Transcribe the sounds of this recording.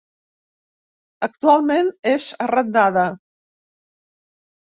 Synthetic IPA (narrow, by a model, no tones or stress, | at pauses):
əkt̪ualˠmenezərəd̪̚naðə